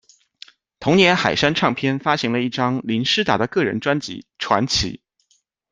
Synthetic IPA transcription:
t̪ʰʊ˧˥ŋnjɛ˧˥nxa˨˩ɪʂa˥nʈ͡ʂʰɑ˥˩ŋpʰjɛ˥nfa˥ɕi˧˥ŋlə˧i˥˩ʈ͡ʂɑ˥ŋli˧˥nʂɻ̩˥t̪a̰˨˩d̪ə˦kɤ˥˩ɻə̰˧˥nʈ͡ʂwa˥nt͡ɕḭ˧˥ʈ͡ʂʰwa̰˧˥nt͡ɕʰḭ˧˥

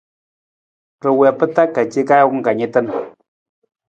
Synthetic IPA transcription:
ɾɨ˨wɛ˨pɨ˦ta˦kːa˨t͡ʃe˦ka˦jŋ̩˦ka˨ɲi˦tə˦n

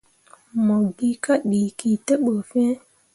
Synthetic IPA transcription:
mo˨ɡi˦ka˦ɗi˨ki˨tə˦ɓə˨fẽ˦

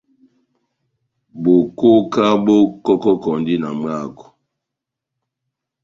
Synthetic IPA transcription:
bo˨ko˦ka˦bo˦kɔ˦kɔ˦kɔ˨ndi˦na˨m˦a˦˨kɔ̥˨

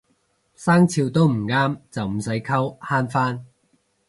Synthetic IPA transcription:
saː˥ŋt͡sʰiː˧wt̪o˥wm̩˨˩ŋaː˥mt͡sɐ˨wm̩˨˩sɐ˨˥jkʰɐ˥whaː˥nfaː˥n

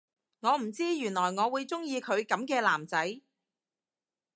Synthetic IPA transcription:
ŋɔː˨˧m̩˨˩t͡siː˥jyː˨˩nlɔː˨˩jŋɔː˨˧wuː˨˧jt͡sʊ˥ŋjiː˧kʰɵ˨˧ɥkɐ˨˥mkɛː˧laː˨˩mt͡sɐ˨˥j

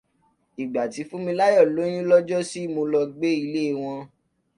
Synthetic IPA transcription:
i˨ɡ͡ba˨ti˨˧˦fũ˦mĩ˧la˦jɔ˦˨lo˨˦j̃ĩ˦lɔ˦d͡ʒɔ˦si˦˨mo˧lɔ˧ɡ͡be˦i˧le˦˧˨w̃ɔ̃˧

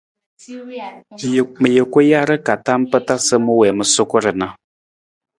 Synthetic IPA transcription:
mə˨jə˨kə˦ja˦ɾə˦ka˨ta˦m˦pə˦ta˦sə˦mu˦wɛ˨mə˨so˦ko˦ɾə˨na˦

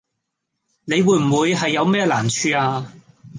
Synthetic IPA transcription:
ne˨˧jwuː˧jm̩˨˩wuː˨˧jɦɐ˨jːɐ˨˧wmɛː˥laː˨˩nt͡ʃʰyː˧aː˧

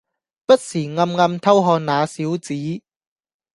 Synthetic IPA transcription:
pɐ˥t̚siː˨˩ŋɐ˧mŋɐ˧mt̪ʰɐ˥wɦɔː˧n̚naː˨˧siː˨˥wt͡siː˨˦˥

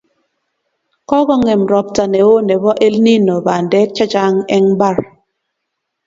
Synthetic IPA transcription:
kɔ˦ɡɔ˦ŋɛ˨mɾɔ˨p̚ta˨nɛ˨o˦nɛ˨bɔ˦ʔe˦lni˦no˨ba˨ndɛ˦t͡ʃa˦t͡ʃa˦ŋɛ˦ŋba˦˨ɾ

